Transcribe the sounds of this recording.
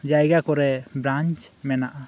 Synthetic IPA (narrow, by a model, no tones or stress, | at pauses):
d͡ʒajɡakɔɾɛbɾaɲt͡ʃmɛnaʔa